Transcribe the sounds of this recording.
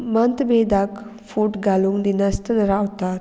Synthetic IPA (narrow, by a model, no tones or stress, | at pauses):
mənt̪bed̪ak | fuʈɡaluŋd̪inəst̪ənɾawt̪at